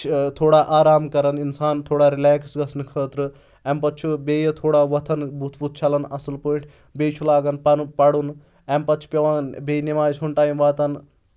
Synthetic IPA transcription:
t̪ʰoːɽaʔaːɾaːmkɐɾɐninsaːnt̪ʰoːɽaɾilɛːksɡɐsnɨkʰəːt̪ɾɨ | ɛmpɐt̪ːt͡ʃʰubeːjɐt̪ʰoːɽaːʋɐt̪ʰɐnbʱut̪ʰbuːt̪̚ʰt͡ʃʰɐlɐnɐsɨlpəʈʰ | beːjt͡ʃʰulaːɡɐnpɐnpɐɽun | ɛmpɐt̪̚ːt͡ʃʰu̥pʲɐʋaːnbejnimaːjt͡ʃʰunʈaːjmʋaːt̪ɐn

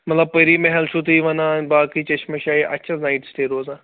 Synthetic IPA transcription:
mɐt̪lɐbpɐɾimeɦɐlt͡ʃʰut̪iʋɐnãnbaːkit͡ʃɐʃmɐʃaːiʔɐ̰t͡ʃʰɐznaːɪʈsʈeːɾoːzã

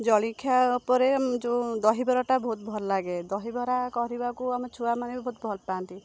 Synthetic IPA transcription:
d͡ʒɔɭikʰːjaupɔɾemd͡ʒud̪ɔɦibɔɾaʈabɔɦut̪bʱɔllaɡed̪ɔɦibɔɾakɔɾibakuamɔt͡ʃʰuamanebɔɦut̪̚bʱɔlpaːnt̪i

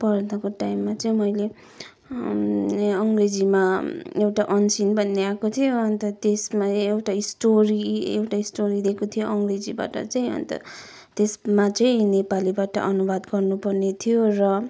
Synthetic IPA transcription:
pʌrd̪ʌkoʈaimːat͡sʌĩmʌjle | ʌŋɡred͡zimaewʈaʔʌnsinbʱʌnːeakot̪ʰijoʌnt̪ʌt̪esmaewʈaisʈoɾiḛwʈaisʈoɾid̪ekot̪ʰijoʔʌŋɡred͡ziba̰ʈʌ̰t͡sʌĩʌ̰nt̪ʌ̰ | t̪esmat͡sʌĩnepalibaʈʌ̰ʔʌnubad̪ɡʌrnupʌrnet̪ʰijorʌ

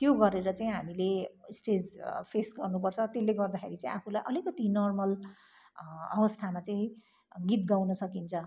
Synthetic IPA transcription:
t̪joɡʌɾeɾʌt͡saĩɦamilesʈed͡zpʰesɡʌrnupʌrt͡sʰʌt̪elːeɡʌrd̪akʰḛɾit͡saĩapʰulajʔʌlikʌt̪inʌrmʌl | ʌ̰bʌst̪ʰamat͡saĩ | ɡit̪̚ɡawnʌsʌkint͡sʰʌ

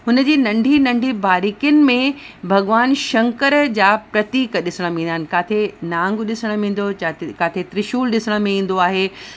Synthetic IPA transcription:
ɦʊnəd͡ʑiːnɐ̃ɳɖʱinɐ̃ɳɖʱibaːɾikjʊnɪ̆mẽbʱɐɠʋaːnʃɐ̃ŋkəɾd͡ʑaːpɾɐt̪iːkɗɪsəɽ̃əʋẽnd̪aɦɪnɪ̆kaːt̪ʰenãːŋɡɗɪsəɽ̃ə̆ʋĩːn̆d̪ot͡ɕakaːt̪ʰet̪ɾɪʃuːlɗɪsəɽ̃ə̆mẽĩːn̆d̪oaːɦeː

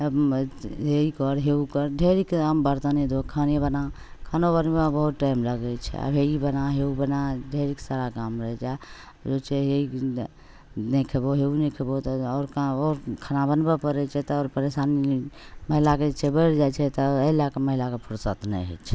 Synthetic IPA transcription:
ə | ɦeikɔɾɦeukɔɾɖʱeɾikkambəɾt̪anid̪okʰanebəna | kʰanobənbebəɦut̪ʈaimləɡɛt͡ʃʰɛ̰ə̰bʱeibənaɦeubənaɖʱeɾiksaɾakamɾəɦɛd͡ʒa | d͡ʒot͡ʃʰɛɦei | nekʰeboɦeunikʰebot̪ɔːɾkaɔːɾkʰanabənbepəɾɛt͡ʃʰɛt̪ɔɔːɾpəɾesaniməɦilaket͡ʃʰɛbəɪɾd͡ʒat͡ʃʰɛt̪ɔəlakeməɦilakepʰuɽsət̪nɛ̰ɦɛ̰t͡ʃʰ

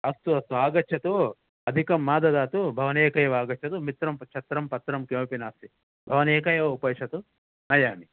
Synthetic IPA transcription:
ɐst̪uɐst̪uaːɡɐt͡ʃʰɐt̪u | ɐd̪ʱikɐmːaːd̪ɐd̪aːt̪ubʱɐʋɐneːkɐjɐʋaːɡɐt͡ʃʰɐt̪umit̪ɾɐmt͡ʃʰɐt̪ɾɐmpɐt̪ɾɐmkjoːpinaːst̪i | bʱɐʋɐneːkɐjɐʋupɐjt͡ʃʰɐt̪u | nɐjaːni

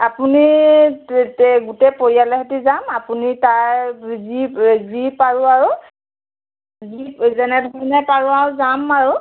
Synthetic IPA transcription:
apuni | tɛɡutɛpoɹijalɛɦɛtizamapunitajzizipaɹʊaɹu | zizɛnɛdʱɔɹnapaɹuaɹʊzamaɹʊ

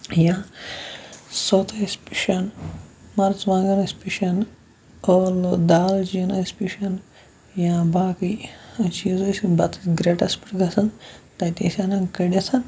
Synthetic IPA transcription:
jãː | sot̪ʰɐispi̥ʃɐnmɐɾt͡sʋãːɡɐnɐspʲiʃɐn | olod̪aːld͡ʒinɐspʲiʃɐn | jãːbaːkiɐt͡ʃizosibɐt̪ɐ̥ɡɾeʈɐspi̥ʈɡɐsʰɐnt̪ɐt̪isʲanɐŋkɐɽʲɐsʰɐn

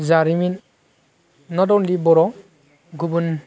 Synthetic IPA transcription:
zaɾimin | nɔdɔwnlibɔɾɔ | ɡubun

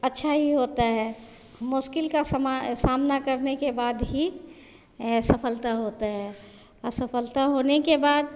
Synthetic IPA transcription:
ɐtːʃʰaɦiɦoːt̪aɦɛː | mʊʃkɪlkasmasaːmnakəɾnekebaːd̪ɦi | sɐpʰəlt̪aɦoːt̪aɦɛː | ɔɾsəpʰəlt̪aɦoːnekebaːd̪

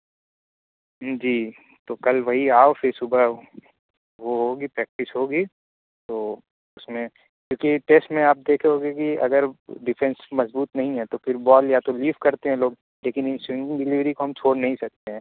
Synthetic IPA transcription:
d͡ʒiː | t̪oːkɐlʋɐɦiaːofʰɪɾsʊbə | ʋoɦoːɡipɾɛːk̚ʈɪsɦoːɡiː | t̪oː | ʊsmẽ | kjõːkiʈeːsʈmẽaːp̚d̪eːkʰeɦoːɡekiɐ̰ɡəɾɖɪfʰɛ̃nsmɐzbuːt̪nɐɦĩɦɛ̃t̪opʰɪɾbɔːljat̪oliːfkɐɾt̪eɦɛ̃loːɡ | leːkɪnɪnswɪ̃ŋɖɪ̃ŋɖɪlɪʋɾikoɦɐmt͡ʃʰoːɽnɐɦĩsɐk̚t̪eɦɛ̃ː

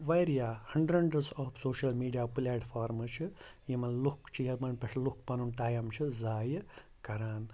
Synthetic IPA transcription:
ʋɐjɾijaːhɐɳɖɾɐɳɖɾɐsaːpʰsoːʃɐlmiːɖijaːpulʲaːʈfʰaːɾmɨt͡ʃʰɨjimɐnlukt͡ʃʰijɐmɐnpʲɐʂlukpɐnuːnʈaːjɐmt͡ʃʰizaːj | kɐɾaːn

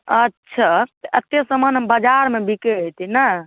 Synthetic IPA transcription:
ətːʃʰaət̪esəmənəbəd͡ʒaɾmebikeɦet̪ina

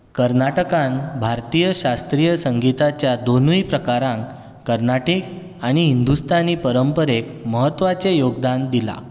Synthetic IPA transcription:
kəɾnaʈəkãnbʱaɾt̪ijəɕast̪ɾijəsəŋɡit̪at͡ɕjad̪onuipɾəkaɾãŋk | kəɾnaʈik | aɽ̃iɦind̪ust̪ʰaniːpəɾəmpəɾekməɦət̪ːʋat͡sejoɡ̚d̪and̪ila̰

